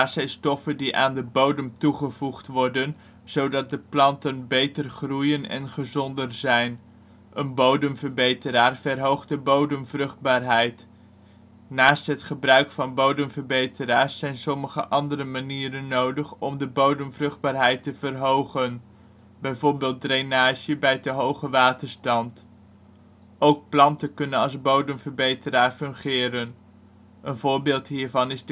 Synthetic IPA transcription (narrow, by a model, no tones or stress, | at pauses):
aːɹsɛjstɔfəndiʔaːndəbowdəmtuχəvuχtʋɔɹdən | z̥owdɑt̚dəplɑntənbejtərχrujənɛ̰nχəzɔndərzɛjn | ʔənbowdəmvəɹbejtəɾaːɹvɛrɦowχt̚dəbowdəmvrɵχd̚baːɹɦɛjt | naːstɦətχəbrœɥkfɑnbowdəmvəɹbejtəɾaːɹsːɛjnsɔməχə̰ʔɑndərəmaniːɾənːowdəχɔmdəbowdəmvrɵχd̚baːɹɦɛjtəv̥ərɦowχən | bɛjvoːɹbeːlˠt̚drejnaːʒəbɛjtəɦowχəʋaːtəɹstɑnt | owk̚plɑntənkɵnənɑlˠzbowdəmvəɹbejtəɾaːɹfɵŋχɪːɾən | ʔənvʊːɹbɪːlˠtɦiːɹvɑnɪzd